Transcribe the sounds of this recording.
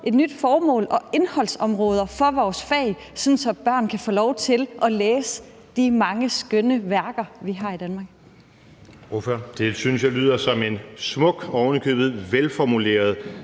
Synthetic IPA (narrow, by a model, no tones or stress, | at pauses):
ʔe̝d̥nyd̥fɒːmɔ̰̽ːlɒ̽e̝nhɒ̽l̰sɒ̽mʁɔ̽ːð̞ˠɐfɒ̽ʋɒːsfɛ̰ɪ | sɒnsɒ̽b̥ɶɐ̰nkʰæfɔ̰ːlɒʊt͡sʰe̝lʔɒ̽leːsə | d̥imɑ̈ŋəsɡ̥ønəʋæɐɡ̥ɐʋiɦɑ̈ːid̥ænmɑ̈ːɡ̥ | oføɐd̥e̝synsjɑly̰ð̞̰ˠɐsɒ̽me̝nsmɔ̽ɡ̥ɒʊnəkʰø̰ːb̥ð̩ˠʋelfɒmule̝̰ːɐð̞ˠ